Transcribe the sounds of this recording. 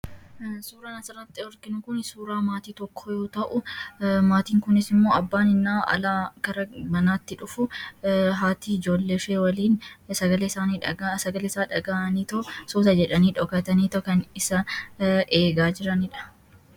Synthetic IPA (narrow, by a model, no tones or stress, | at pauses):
suːɾaːnɐsɐɾɐt̪ːɪɔɾkɪnʊkʊnsuːɾaːmaːt̪iːt̪ɔkʰːojo̞ːt̪ɐʔʊmaːt̪iːŋkʊnɪsɪmːo̞ːɐbːaːnɪnːaːɐ̰laːkɐɾɐmɐnaːt̪ːɪᶑʊfʊ | ɦaːt̪iːɪd͡ʒo̞ːlːefeːwɐliːnsɐɡɐleːsaːniᶑɐɡasɐɡɐlesaːᶑɐɡaːʔɐniːt̪ɐsoːsɐd͡ʒɛᶑɐniːᶑɔkɐt̪ɐniːt̪ɐkɐnɪsɐʔeːɡaːd͡ʒɪɾɐnɪᶑɐ̥